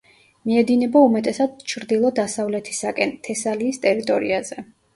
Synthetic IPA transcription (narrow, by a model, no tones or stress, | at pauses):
miɛd̪inɛbaumɛt̪ʼɛsad̪̚t͡ʃʰɾd̪ilˠɔd̪asavlɛt̪ʰi̥sakʼɛnt̪ʰɛsaliːst̪ʼɛɾit̪ʼɔɾḭazɛ